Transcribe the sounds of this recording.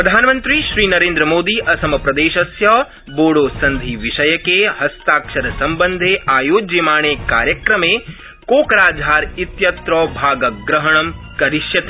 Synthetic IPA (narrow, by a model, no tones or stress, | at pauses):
ppɾɐd̪ʱaːnɐmɐnt̪ɾiʃɾiːnɐɾẽːnd̪ɾəɐmoːd̪iːʔɐsɐmɐpɾɐd̪eːʃɐsjɐ | boːɽoːsɐnd̪ʱiːʋiʃɐjɐkeɦɐst̪aːkʃɐɾɐsɐmbɐnd̪ʱeːaːjoːd͡ʒemaːɳ̃eːka̰ːɾjɐkɾɐmeː | koːkɐɾaːd͡ʒʱaːɾit̪jɐt̪ɾɔːbʱaːɡɐɡɾɐɦɐɳɐm | kɐɾiʃjɐt̪e